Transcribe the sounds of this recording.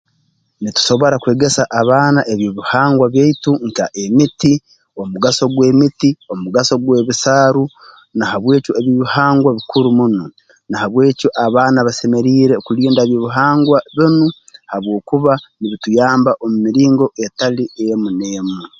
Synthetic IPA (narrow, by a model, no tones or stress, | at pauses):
nitu̥so̞βo̞ɾakwe̞ːɡe̞saʔːβaːnaʔeβjoβihaːŋɡwaβjeituŋkaʔe̞miti | o̞muɡaso̞ɡwe̞ːmitio̞muɡaso̞ɡwe̞ːβisaːɾu | nahaβwe̞ːcoeβjiβihaːŋɡwaβikuɾumunu | nahaβwe̞ːcoʔaβaːnaβase̞me̞ɾiːɾe̞okuliːndaeβjoːβiɦaːŋɡwaβinu | haβwo̞ːkuβaniβitujaːmbaʔomumiɾiːŋɡo̞ʔetaliemuneːmu